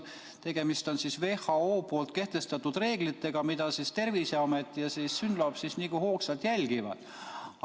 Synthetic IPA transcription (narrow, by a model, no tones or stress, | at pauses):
t̪e̞ɡ̥e̞mist̪o̞nsisve̞hɑoːpo̞ːlt̪̚ke̞ht̪e̞st̪ɑt̪ːud̪re̞ːɡlit̪ːe̞ɡ̥ɑmid̪̥ɑsist̪e̞rviseomet̪ːˑijɑsiːsːynlob̥sisniːkuho̞ːksɑlt̪jælʲɡivɑ̰d̪̥